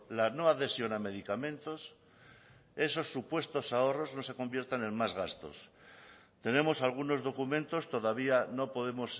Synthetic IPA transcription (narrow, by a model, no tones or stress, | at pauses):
lano̞aðe̞sjo̞name̞ð̞ikamẽ̞nt̪o̞s | e̞so̞sːupwe̞st̪o̞sao̞ro̞zno̞se̞ko̞mbje̞ɾt̪anẽ̞nmazɣast̪o̞̰s | t̪e̞nẽ̞mo̞salɣ̞uno̞zðo̞kumẽ̞nt̪o̞st̪o̞ðaβ̞iano̞po̞ðe̞mo̞s